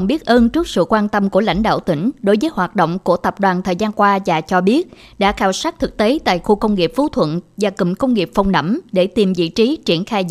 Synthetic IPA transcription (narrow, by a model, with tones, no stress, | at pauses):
ŋ͡mɓi˦˥ət̚ʔəː˧nt͡ɕɨ˦˥k̚sɨ̰˧˨kwaː˧nt̪ə˧mku˧˩əla̰˧˥jŋ̟ɗa̰ː˧˨wt̪ï˧˩ŋ̟ɗo˨˦jvəː˨˦jɦwaː˨˩t̚ɗo̰˧˨wŋ͡mku˧˩ət̪ə˨˩p̚ɗwaː˨˩nt̪ʰəː˨˩jzaː˧nkwaː˧zaː˨˩t͡ɕɔ˧ɓi˦˥ət̚ | ɗa̰ː˧˥xaː˧˩wsaː˦˥k̚t̪ʰɨ˨˩k̚t̪e˨˦t̪a̰ː˧˨jxu˧kə˧wŋ͡mŋi˨˩əp̚fu˨˦t̪ʰwə̰˧˨nvaː˨˩kḭ˧˨˩mkə˧wŋ͡mŋi˨˩p̚fa˧wŋ͡mnə̰˧˩mɗe˧˩t̪i˨˩mvḭ˧˨t͡ɕi˨˦t͡ɕi˧˩ənxaː˧j